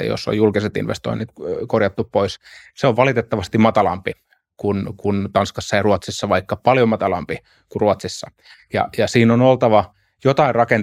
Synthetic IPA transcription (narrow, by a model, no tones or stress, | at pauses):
jo̰sːo̰jjulkiset̪ḭnʋḛst̪o̰init̪korjɑt̪ːuppois | seoʋʋɑlit̪et̪ːɑʋɑst̪immɑt̪ɑlɑ̰mpi | kunkunt̪ɑnskɑsːɑjɑruɑt̪sisːɑʋɑikːɑpɑljomɑt̪ɑlɑ̰mpi | kuruɑt̪sisːɑ | jɑ̰jɑsiːnonolt̪ɑʋɑ | jot̪ɑirrɑken